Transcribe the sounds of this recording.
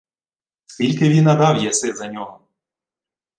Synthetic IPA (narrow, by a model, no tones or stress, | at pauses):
skʲilʲkɪʋʲinɐd̪ɑwjɛsɪzɐnʲɔɦɔ